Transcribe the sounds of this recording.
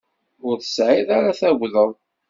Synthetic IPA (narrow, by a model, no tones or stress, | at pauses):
ʊɾθə̥sʕiðaɾaθæwðəðˤ